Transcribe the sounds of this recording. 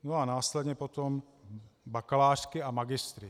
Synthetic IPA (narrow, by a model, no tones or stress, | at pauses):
noanaːslɛd̪ɲɛpot̪om | bakalaːʃkɪamaɡɪst̪ɾɪ